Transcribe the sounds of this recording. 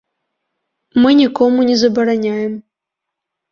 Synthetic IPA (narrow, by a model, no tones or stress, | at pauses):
mɨnʲikɔmunʲɛzɐbɐɾanʲajɛm